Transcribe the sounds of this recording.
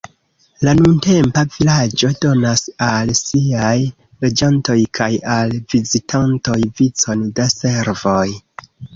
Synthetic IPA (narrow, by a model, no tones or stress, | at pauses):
lanunte̞mpavilad͡ʒo̞do̞nasalsiaj | lod͡ʒanto̞jkʰajalvizitʰanto̞jvit͡so̞ndase̞ɾvo̞j